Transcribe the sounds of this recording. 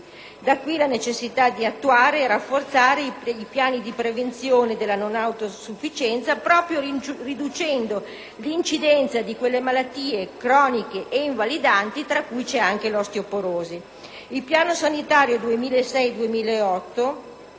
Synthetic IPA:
d̪akːwilanet͡ʃesːit̪ad̪iat̪ːuaːɾeɛɾafːort̪saːɾeiipjaːnid̪ipɾevent̪sjoːned̪elːanonawt̪osufːit͡ʃɛnt̪sapɾɔːpɾjorid̪ut͡ʃɛnd̪o | lint͡ʃid̪ɛnt̪sad̪ikwelːemalat̪ːiːekɾɔːnikeʔeiɱvalid̪ant̪it̪ɾakːujt͡ʃɛaŋk̟elɔst̪iopoɾoːze | ilpjaːnosanit̪aːɾjod̪uemiːlaesɛjd̪uemiːlaeɔt̪ːo

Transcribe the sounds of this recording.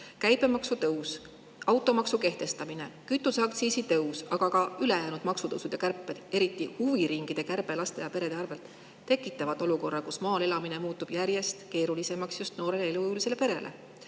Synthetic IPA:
kæjbe̞mɑksut̪ɤws | ɑwt̪ːˑo̞mɑksuke̞ht̪e̞st̪ɑmine̞kyt̪ːˑuseɑk̚t̪siːsit̪ɤwsɑɡ̥ɑɡɑyle̞jæːnud̪̥mɑksut̪ɤ̰wsud̪̥jɑkærpːˑed̪̥e̞ɾit̪ːˑihuviɾiŋɡ̥id̪̥e̞kærb̥e̞lɑst̪e̞jɑpe̞ɾe̞d̪̥eɑrve̞lt̪ˑː | e̞kːˑit̪ːˑɑvɑt̪ːˑo̞luko̞rːɑkusmɑːle̞lɑmine̞muːt̪ːub̥jæɾje̞st̪ke̞ːɾulise̞mɑksjust̪no̞ːɾe̞leelujulise̞le̞pe̞ɾe̞̰lʔe̞̰

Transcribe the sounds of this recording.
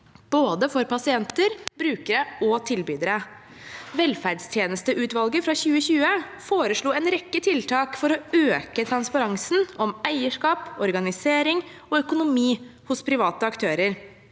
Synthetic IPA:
b̥oːd̪əfɔɾpɑsɪɛnt̪əɾbɾʉːkəɾəɔt̪ʰɪlbyːd̪əɾə | ʋɛlfæɖst̪ʰjeːnəst̪əʔʉːt̪ʋɑlɡəfɾɑçʉːəçʉːəfoːɾəʂɭuːɛnɾɛkːət̪ʰɪlt̪ʰɑːkfɔɾɔøːkət̪ʰɾɑnspɑɾɑŋsn̩ʔɔmæɪəʂkɑːpɔɾɡɑnɪseːɾɪŋɔœkʊnʊmiːhʊspʰɾɪʋɑːt̪əɑkt̪ʰøːɾəɾ

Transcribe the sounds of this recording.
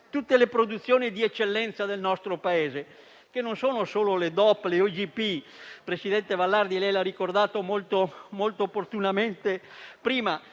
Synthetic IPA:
t̪ut̪ːelepɾod̪ut̪sːjoːnid̪iɛt͡ʃːelːɛnt̪sad̪elnɔst̪ɾopaeːze | kenːonsoːnosoːloled̪ɔpːleod͡ʒipi | pɾesid̪ɛnt̪evalːard̪ilɛjlarːikord̪aːt̪omolt̪omolt̪oːpːort̪unament̪epɾiːma

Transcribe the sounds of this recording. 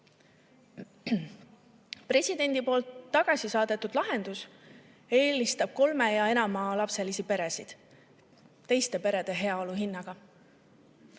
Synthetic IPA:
pre̞sʲid̪̥e̞nʲd̪̥ipo̞ːlt̪ːɑɡ̥ɑsʲisɑːd̪̥e̞t̪ːˑud̪̥lɑɦe̞nd̪̥us | e̞ːlist̪ɑb̥̚ko̞lme̞jɑe̞nɑmɑlɑpse̞lisipe̞ɾe̞sid̪̥ | t̪ːe̞jst̪e̞pe̞ɾe̞d̪̥e̞ɦe̞ɑo̞luɦinːɑɡ̥ɑ

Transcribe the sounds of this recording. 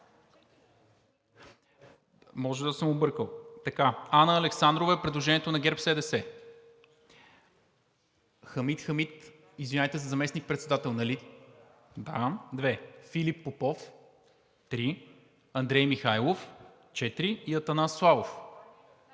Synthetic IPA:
mɔʒɛd̪ɐsəmobɤɾkəlˠt̪ɐkaanəːlɛksand̪ɾovɐɛpɾɛd̪lˠoʒɛniɛt̪onɐɡɛɾpsɛd̪ɛsɛ | xɐmit̪xəmit̪ | izvinʲajt̪ɛzɐzɐmɛsnik̚pɾɛt̪sɛd̪at̪ɛlˠnɐli | d̪ad̪vɛfilipːopɔf | t̪ɾi | ɐnd̪ɾɛjmixajlˠof | t͡ʃɛt̪ɾiiɐt̪ɐnasːlˠavof

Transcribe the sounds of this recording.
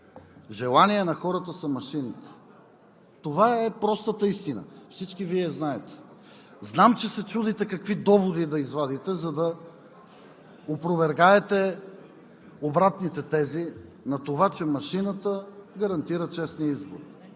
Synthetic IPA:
ʒɛlˠaniɛnɐxɔɾət̪əsɐmɐʃinɐt̪ə̥ | t̪ovaɛpɾɔst̪ət̪əist̪inə̰fsit͡ʃkiviɛznaɛt̪ɛ̥ | znamt͡ʃɛsɛt͡ʃud̪it̪ɛkɐkvid̪ɔvod̪id̪ɐizvad̪it̪ɛzɐd̪ɐ | opɾovɛɾɡaɛt̪ɛ | obɾat̪nit̪ɛt̪ɛzi | nɐt̪ovat͡ʃɛmɐʃinət̪əɡɐɾɐnt̪iɾət͡ʃɛsniizboɾi

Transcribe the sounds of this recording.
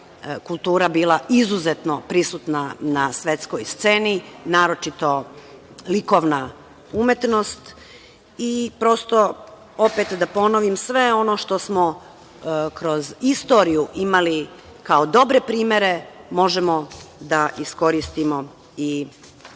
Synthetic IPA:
kulˠt̪uːɾabiːlˠaʔizuzet̪no̞pɾisuːt̪nanasʋe̞t̪sko̞jst̪se̞ːninaːɾo̞t͡ʃit̪o̞ | liko̞ːʋna | umje̞t̪no̞st̪ | ipɾo̞st̪o̞ | opeːt̪d̪apo̞noʋimsʋe̞ono̞ʃt̪o̞smo̞ | kɾo̞zist̪o̞ːɾijuʔimali | kaod̪o̞bɾe̞pɾiːmje̞ɾe̞mo̞ʒemo̞d̪aʔisko̞ɾist̪imo̞ | i

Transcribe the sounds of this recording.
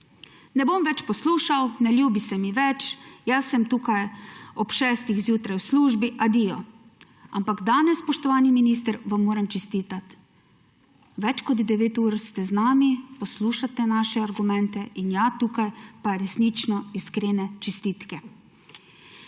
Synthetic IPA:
nɛbomʋɛt͡ʃpɔsluːʃawnɛljuːbisɛmiʋɛt͡ʃjasːɛmt̪uːkajɔpʃɛːst̪ixzjuːt̪ɾajwsluːʒbiʔad̪ijɔ̰ | a̰mpaɡd̪aːnɛsːpɔʃt̪ɔʋaːniminiːs̬t̪əɾʋamːoːɾamt͡ʃɛst̪iːt̪at̪ | ʋɛt͡ʃkɔd̪d̪ɛʋeːt̪uːɾst̪ɛznaːmipɔsluːʃat̪ɛnaːʃɛaɾɡumɛnt̪ɛʔinjat̪ukajpaɾɛsnit͡ʃnɔiskɾeːnɛt͡ʃɛst̪iːt̪kɛ

